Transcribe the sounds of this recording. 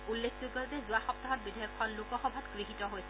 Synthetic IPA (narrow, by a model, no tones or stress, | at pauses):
ulːekʰzuɡɔtɛzuaxɔp̚taɦɔt̚bidʱiɔkʰːɔnlukɔxɔbʱatkɹixitɔɦojsɛ